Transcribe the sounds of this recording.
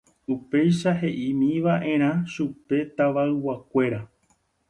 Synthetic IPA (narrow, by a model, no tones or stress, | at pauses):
upe̞jʃaɦe̞ʔimĩʋaʔẽ̞ɾ̃ãʃupe̞t̪aʋaɨwakʷe̞ɾa